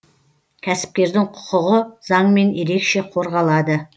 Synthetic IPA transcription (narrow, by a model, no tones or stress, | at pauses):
kʲʰæsɪ̥p̚kʲe̞ɾd̪ɪŋqʰʊ̥qʊʁəzɑɴme̞nje̞ɾe̞kʃe̞qʰo̞ɾʁɑlˠɑd̪ə